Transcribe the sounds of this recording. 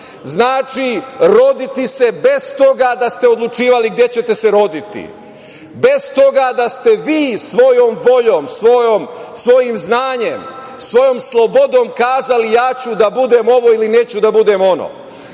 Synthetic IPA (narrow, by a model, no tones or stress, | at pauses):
znaːt͡ʃiɾo̞d̪it̪ise̞be̞st̪o̞ɡad̪ast̪e̞o̞d̪lˠut͡ʃiːʋaliɡd̪je̞t͡ɕe̞t̪e̞seɾo̞d̪it̪ḭ | be̞zt̪o̞ɡad̪ast̪e̞ʋiːsʋo̞joːmʋo̞ʎo̞ːmsʋojomsʋo̞jimznaːɲe̞m | sʋo̞jo̞ːmslˠobo̞d̪o̞ːmkaːzalijaːt͡ɕud̪abud̪e̞mo̞ʋo̞ilineːt͡ɕud̪abud̪e̞mo̞no̰